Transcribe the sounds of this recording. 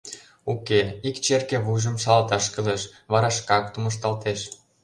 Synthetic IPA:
ukeikt͡ɕerkeβuʒə̆mʃɑlɑt̪ɑʃkə̆leʃβɑɾɑʃkɑkt̪uməʃ̬t̪ɑlt̪eʃ

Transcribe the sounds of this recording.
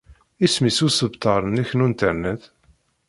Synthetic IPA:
ismisusəbt̪ɑɾˤənəçnunt̪əɾnæθ

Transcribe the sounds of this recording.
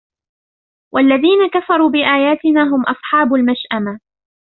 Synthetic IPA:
wʔalːaðiːnakafɑɾˤuːbɪʔaːjaːt̪ɪnaːɦʊmʔɑsˤħɑːbʊlmaʃʔama

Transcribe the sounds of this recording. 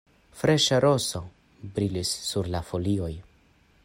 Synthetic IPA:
fɾe̞ʃaɾo̞so̞ | bɾilisːuɾlafo̞lio̞j

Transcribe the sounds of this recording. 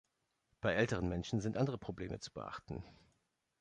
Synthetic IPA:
b̥aɪʔɛltəʁ̞ənmɛnʃn̩zɪntʔandəʁəpʁ̥obleːmʔət͡su̥bə̰ʔa̰χtn̩

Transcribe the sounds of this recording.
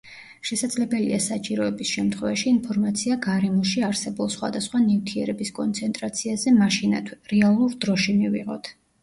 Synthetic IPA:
ʃɛsad̪zlɛbɛlḭasat͡ʃʼiɾɔɛbisʃɛmt̪ʰχwɛvaʃiːnpʰɔɾmat̪sʰiaɡaɾɛmɔʃiaɾsɛbulˠsχwa̰d̪asχwanift̪ʰiɛɾɛbiskʼɔnt̪sʰɛnt̪ʼɾat̪sʰiazɛmaʃina̰t̪ʰɾɛalˠuɾd̪ɾɔʃimivḭʁɔ̰t̪ʰ

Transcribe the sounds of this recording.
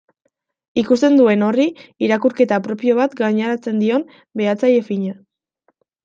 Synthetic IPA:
ikust̪e̞nd̪ue̞no̞riiɾakuɾke̞t̪apɾo̞pio̞β̞at̪ɡaɲaɾat͡se̞nd̪io̞m | be̞at͡saje̞fiɲa

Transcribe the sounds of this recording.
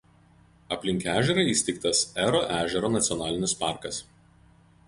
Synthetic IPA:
ɐpʲlʲɪŋʲkʲæːʒʲɛɾɐɪiːsʲt̪ʲɛɪk̚t̪ɐsæɾoːʔæːʒʲɛɾoːnɐt̪sʲɪɔnɑːlʲɪnʲɪspɑˑɾkɐs

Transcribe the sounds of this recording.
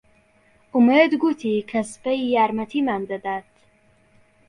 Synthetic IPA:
ʊmed̪ɡut̪ʰikʰaspajijaːɾmɐt̪ʰimand̪ad̪at̪

